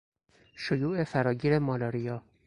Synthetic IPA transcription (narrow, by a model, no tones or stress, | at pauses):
ʃojuːʔe̞fæɾɒːɟiːɾemɒːlɒːɾijɒː